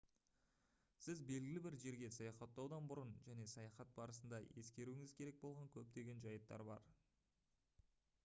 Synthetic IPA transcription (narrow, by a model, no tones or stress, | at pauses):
sɪzbe̞lɡʲɪlɪbɪɾʒe̞ɾɡʲe̞sɑjɑχɑt̪ːɑwd̪ɑnbʊɾənʒæne̞sɑjɑχɑt̪̚bɑɾəs̬ənd̪ɑje̞skʲe̞ɾuɪŋɪzkʲʰe̞ɾe̞k̚bo̞lˠʁɑŋkʲʰɵp̚t̪e̞ɡʲe̞nʒɑjət̪ːɑ̰ɾbɑ̰ɾ